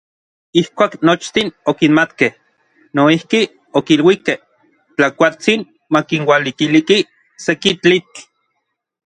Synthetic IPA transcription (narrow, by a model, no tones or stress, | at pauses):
ihkʷaːknot͡ʃt̪inokinmat̪keh | noihki | okilwikeh | t͡ɬakʷat͡sin | makinwalikiliki | sekit͡ɬit͡ɬ